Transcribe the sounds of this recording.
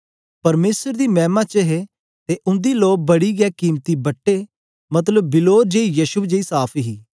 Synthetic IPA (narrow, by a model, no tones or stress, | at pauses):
pɐɾmeːsəɾd̪iːmɛ̃ːmãːt͡ʃəɦe | t̪eʔʊ̃nd̪iːloːk̚bɐɽiːɡɛːkiːmt̪ibɐʈːeː | mɐt̪̬ləbːɪloːd͡ʒeːijəʃʊbd͡ʒeːiːsaːpʰiɦiː